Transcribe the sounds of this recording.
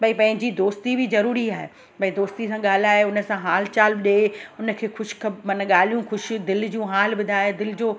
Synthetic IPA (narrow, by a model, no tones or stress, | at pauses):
bɐĩpɐ̃ɦɪ̃ɲd͡ʑid̪oːst̪ibɪzɐɾuːɾiaːɦḛ | bɐĩd̪oːst̪isãɠaːl̤aːeʊnə̆sãɦaːlt͡ɕaːlɗeːʊnə̆kʰeːxʊʃɪ̥kʰɐbmɐnəɠaːl̤ijũxʊʃ̆d̪ɪld͡ʑũɦaːlbʊd̪ʱaːed̪ɪlɪd͡ʑoː